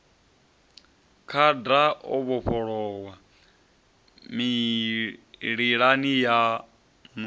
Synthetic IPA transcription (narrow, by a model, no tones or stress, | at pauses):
kʰadaɔβɔɸʰɔɺɔwa | mi | ɺiɺanija | m